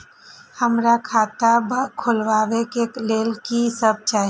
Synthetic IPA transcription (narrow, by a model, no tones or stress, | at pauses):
həmɾakʰaːt̪abkʰʊlʋaːʋekekleːlkisəb̚t͡ʃaːɦ